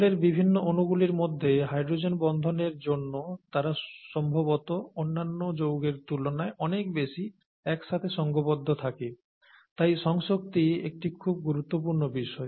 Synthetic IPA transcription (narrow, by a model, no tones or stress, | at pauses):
leɾbibʱinːoonuɡuliɾmod̪ʱːeɦajɖɾod͡ʑenbɔnd̪ʱoneɾd͡ʑonːot̪aɾaʃɔmbʱoβot̪oonːanːod͡ʑowɡeɾt̪ulonaeʔɔnekbeʃi | ɛkʃat̪ʰeʃɔŋɡobod̪ʱːot̪ʰake | t̪ajʃɔŋʃok̚t̪iḛk̚ʈikʰub̚ɡuɾut̪ːop̬uɾnobiʃɔe